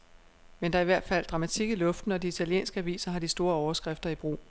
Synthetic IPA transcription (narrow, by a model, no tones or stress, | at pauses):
mend̥ɑæɐiʋæɐ̰d̥fæl̰d̥ʁɑ̈mæt͡sʰiɡ̥əlɔ̽fd̥n̩ɒ̽d̥iit͡sʰæljḛːnsɡ̥əæʋḭːsɐɦɑ̈d̥isd̥o̝ːɐɒʊɐsɡ̥ʁefd̥ɐib̥ʁo̝̰ː